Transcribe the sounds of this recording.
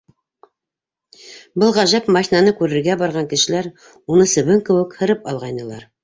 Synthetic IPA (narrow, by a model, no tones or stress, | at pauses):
bɤlˠʁæʒæpmɑçʲnɑnɤkʉɾɘ̆ɾɡæbɑɾʁɑŋkɘ̆ʃɘ̆læɾ | unɤsɘ̆βɘŋkɘ̆wɘ̆khɤ̆ɾɤpɑlˠʁɑjnɤ̆lˠɑɾ